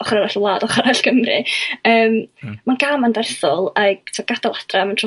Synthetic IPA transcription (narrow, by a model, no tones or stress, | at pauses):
ɔχɔraɾaɬəlˠaːdɔχaɾaɬkəmrɨ̰əːmmanɡ̥amandɛrθɔlˠaɡ̚tʰɪɡ̥adalˠad̥ramantʰ